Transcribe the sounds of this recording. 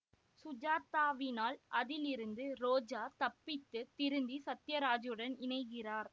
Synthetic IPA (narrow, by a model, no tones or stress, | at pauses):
sʊd͡ʒaːt̪ːaːʋɪnaːlʔɐðɪlɪɾɯnd̪ɯɾoːd͡ʒaːt̪ɐpːɪt̪ːɯt̪ːɪɾɯnd̪isɐt̪ːɪjɐɾaːd͡ʒjɯɽɐnɪnɐɪɣɪraːɾ